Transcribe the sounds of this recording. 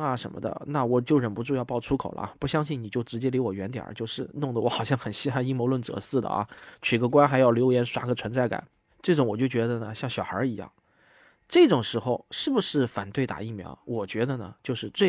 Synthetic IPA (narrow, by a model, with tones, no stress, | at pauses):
ɐ˧ʂə˧˥nmə̰˧d̪ə̰˧na˥˩wɔ˨˩t͡ɕjo˥˩ʊɻə˨˩npu˧˥ʈ͡ʂu˥˧jpɑ˥˩ʊʈ͡ʂʰu˥kʰo˨˩ʊlə̰˦pu˥˩ɕjɑ˥ŋɕi˥˩nni˨˩t͡ɕjo˥˩ʊʈ͡ʂɻ̩˧˥t͡ɕjɛ˥li˧˥wɔ˨˩ɥɛ˧˥nt̪jɑ̰˨˩˥t͡ɕjo˥˧ʊʂɻ̩˥˧nʊ˥˩ŋd̪ə˩wɔ˧˥xɑ˨˩ʊɕjɑ˥˩ŋxə˨˩nɕi˥xa˥˧ɪi˥˩mo˧˥ʊlwə˥˩nt͡sɤ̰˧˥sɹ̩˥˩d̪ə̰˩ʔɐ̰˧˩t͡ɕʰy˨˩ɡə˧k̬wa˥nxa˧˥ɪjɑ˥˩ʊljo˧˥ʊjɛ˧˥nʂwa˧˥ɡə˨t͡sʰwə˧˥nt͡sa˥˩ɪka̰˨˩˦n | ʈ͡ʂɤ˥˩ʈ͡ʂʊ˧˥ŋwɔ˨˩t͡ɕjo˥˩ʊt͡ɕɥɛ˧˥d̪ə˧nə˨ɕjɑ˥˩ŋɕjɑ˨˩xə̰˞˧˥i˧˥jɑ̰˥˩ŋ | ʈ͡ʂɤ˥˩ʈ͡ʂʊ˨˩ŋʂɻ̩˧˥xo˥˧ʊʂɻ̩˥˩bu˩ʂɻ̩˥˩fa̰˨˩nt̪we˥˩ɪt̪a̰˨˩i˥˩mjɑ̰˧˥ʊwɔ˨˩t͡ɕɥɛ˧˥d̪ə˧nə̰˩t͡ɕjo˥˧ʊʂɻ̩˥˧t͡swe˥˩